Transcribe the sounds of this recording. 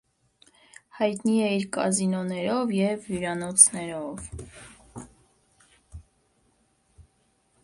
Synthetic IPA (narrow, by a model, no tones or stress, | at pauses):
hɑjt̪niɛiɾkɑ̰zinɔnɛɾɔvjɛvjuɾɑnɔt͡sʰnɛɾɔv